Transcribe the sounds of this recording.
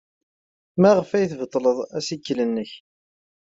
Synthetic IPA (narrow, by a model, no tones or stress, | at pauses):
mæʁəfæjθvət̪ˤːləðˤæsikːlənːəç